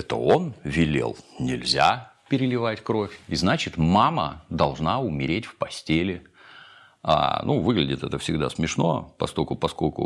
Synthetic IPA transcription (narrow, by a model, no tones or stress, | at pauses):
ɛt̪ə̰o̞nvʲɪlʲḛlˠnʲɪlʲzʲapʲɪɾʲɪlʲɪvatʲkɾo̞fʲiznat͡ɕɪt̪mamə̰d̪ɐlˠʐnaʊmʲɪɾʲetʲfpɐsʲtʲelʲɪ | a̰nʔuvɨɡlʲɪdʲɪt̪ɛt̪əfsʲɪɡd̪asmʲɪʂno̞̰pɐsko̞lʲkʊpɐsko̞lʲkʊ̰